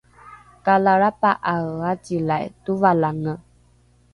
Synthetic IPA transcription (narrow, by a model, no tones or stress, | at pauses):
kalaɾapaʔaɣad͡ʒilajtuvalaŋə